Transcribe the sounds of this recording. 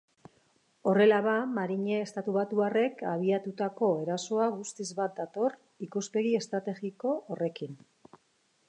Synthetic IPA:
o̞re̞laβamaɾiɲe̞ːst̪at̪uβat̪uare̞kaβ̞iat̪ut̪ako̞e̞ɾaso̞aɣust̪izβat̪̚d̪at̪o̞r | ikuspe̞ɣ̞ie̞st̪ɾat̪e̞ɣiko̞ːre̞kin

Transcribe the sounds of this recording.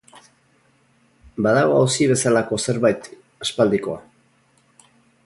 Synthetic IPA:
baðaɣoawsiβ̞e̞salako̞se̞ɾβajt̪ | aspald̪iko̞a̰

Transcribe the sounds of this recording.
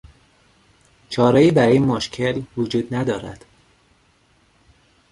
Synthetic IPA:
t͡ʃʰɒːɾɒːiːbæɾːjemoʃcʰelvod͡ʒuːd̪næd̪ɒːɾæ̰d̪̥

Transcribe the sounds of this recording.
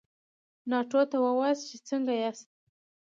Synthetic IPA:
nɑʈot̪awəwɑzt͡ʃet͡səŋɡajast̪̚

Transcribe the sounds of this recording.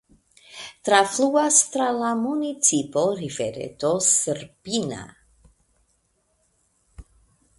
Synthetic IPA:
t̪ɾafluast̪ɾalamunit͡sipoɾifeɾḛt̪osərpina̰

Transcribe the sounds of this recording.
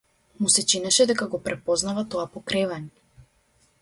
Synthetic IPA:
musɛt͡ʃinɛʃɛd̪ɛkaɡɔpɾɛpɔznavat̪ɔapɔkɾɛvanɛ

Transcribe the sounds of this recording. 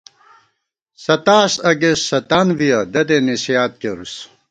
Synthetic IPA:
sɐt̪aːsɐɡesːɐt̪anvijɐd̪ɐd̪enisjaːt̪̚keɾus

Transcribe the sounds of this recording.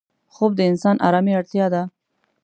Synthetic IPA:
xob̚d̪əɪnsɑnʔɑ̰ɾɑmiaɽt̪jɑd̪a

